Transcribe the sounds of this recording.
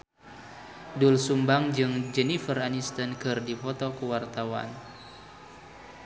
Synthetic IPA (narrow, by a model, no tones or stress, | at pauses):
dulsumbaŋd͡ʒɨŋd͡ʒɛnifəranist̪ənkɨrdipɔt̪ɔkəwart̪awa̰n